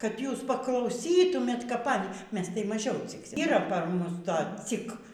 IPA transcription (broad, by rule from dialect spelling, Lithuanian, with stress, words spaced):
kɐt ˈjuːs pɐklˠɐʊˈsʲiːtʊmʲeːt kɐp ˈɑːnʲiː ˈmʲɛs tɐɪ mɐˈʒʲɛʊ t͡sʲɪkˈsʲɪm iːˈrɐ pɐr ˈmʊs ˈtoː ˈt͡sʲɪk